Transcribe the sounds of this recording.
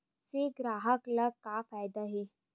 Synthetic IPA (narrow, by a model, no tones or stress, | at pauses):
seɡɾaːɦəklɐɡ̚kafaːjd̪aɦeː